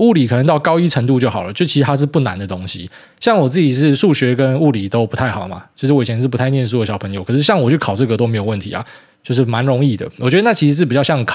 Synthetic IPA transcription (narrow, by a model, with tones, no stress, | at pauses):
u˥˩li˨˩kʰə˨˩nə˧˦ŋt̪ɑ˥˩kɑ˥ʊi˥ʈ͡ʂʰə˧˥ŋt̪̬u˥˧t͡ɕjo˥˩ʊxɑ˨˩ʊlə˨˦t͡ɕo˥˩ʊt͡ɕʰi˧˥ɻ̩ʰ˧a˥ɻ̩˥˧pu˥˩na̰˧˦nd̪ə˨t̪o˥ŋɕḭ˨ | ɕjɑ˥˩ŋwɔ˨˩t͡sɹ̩˥˩t͡ɕi˨˩ʂ̬ɻ̩˥˧ʂu˥˩ɕɥɛ˧˥kə˦nu˥˩li˨˩t̪o˥ʊpu˥t̪ʰa˥˩ɪxɑ˨ʊ˦ma̰˨˩t͡ɕo˥˧ʊʂɻ̩˥˩wɔ˥˨˩ɛ˧nʂ̬ɻ̩˥˩pu˧t̪ʰa˥˧ɪnjɛ˥˧ns̬u˥˩ə˩ɕɑ˨˩pʰə˧˦ŋjo˧˦kʰɤ˨˩ʂɻ̩˥ɕjɑ˥˩ŋwɔ˨˩t͡ɕʰy˥˩kʰɑ˨˩ʊʈ͡ʂɤ˥˩ɡə˩t̪o˥me˧˥ɪjo˨˩wə˥˩nt̪ʰḭ˧˥a̰˨˦ | t͡ɕjo˥˧ʊʂ̬ɻ̩˥˩ma˧˦nɻo˧˥ŋi˥˩d̪ə̰˩wɔ˨˩t͡ɕɥɛ˧˥d̪ə˧˥na˥˩t͡ɕʰi˧˥ʂ̩˧ʂ̬ɻ̩˥pt͡ɕɑ˥˧ɕjɑ˥˩ŋ˨kʰ